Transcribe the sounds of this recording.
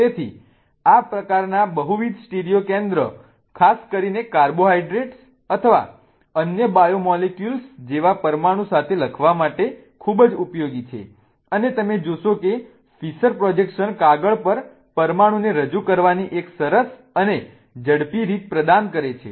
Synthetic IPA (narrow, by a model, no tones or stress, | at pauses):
t̪et̪ʰi | apɾəkaɾnabəɦuʋid̪ʱsʈeɾijokẽnd̪ɾə | kʰaskəɾinekaɾboɦaiɖɾeʈs | ət̪ʰəʋa̰ | ənjəbajomɔlekjulsd͡ʒeʋapəɾmaɽ̃ũsat̪ʰeləkʰʋamaʈe | kʰubd͡ʒupjoɡit͡ʃʰḛ | ənet̪əmed͡ʒoʃoke | fisəɾpɾɔd͡ʒekʃənkaɡəɭpəɾ | pəɾmaɽ̃ũneɾəd͡ʒukəɾʋaniʔeksəɾəs | əne | d͡ʒəɽpiɾit̪̚pɾəd̪ankəɾet͡ʃʰḛ